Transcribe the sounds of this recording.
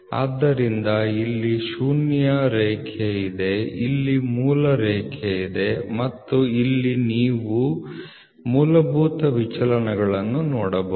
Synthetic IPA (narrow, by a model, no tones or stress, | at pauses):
a̰ːd̪ːɐɾind̪ɐilːiʃuːnjɐɾɛːkʰeid̪e̞ilːimuːlɐɾɛːkʰeid̪e̞mɐt̪ːuilːiniːʋu | muːlɐbʱuːt̪ɐʋit͡ʃɐlɐnɐɡɐɭɐnːunɔːɽɐbɐ